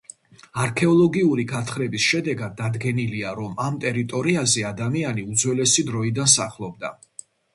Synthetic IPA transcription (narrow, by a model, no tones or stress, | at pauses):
aɾkʰɛɔlˠɔɡiuɾiɡat̪ʰχɾɛbisʃɛd̪ɛɡad̪̚ːad̪ɡɛniliaɾɔmamt̪ʼɛɾit̪ʼɔɾiazɛad̪amianiud̪zwɛlɛsid̪ɾɔid̪ansaχlˠɔb̚d̪a̰